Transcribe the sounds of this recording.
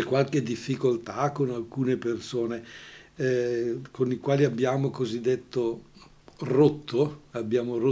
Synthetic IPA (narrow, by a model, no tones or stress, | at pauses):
t͡ʃɛkwalked̪ifːikolt̪akonalkuːnepersoːne | konikwaːliabːjaːmokozid̪ːet̪ːo | rot̪ːoabːjaːmoro